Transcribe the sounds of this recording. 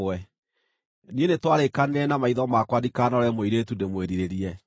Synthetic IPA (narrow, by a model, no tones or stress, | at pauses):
ɛ | nienetwaɾekaneɾɛnamaiðɔmakwadikanɔɾɛmoiɾetundemweɾiɾeɾiɛ